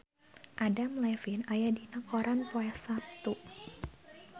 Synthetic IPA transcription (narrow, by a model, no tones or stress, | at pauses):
ʔadamlɛfinajadinəkɔɾanpɔɛsap̚t̪uʔ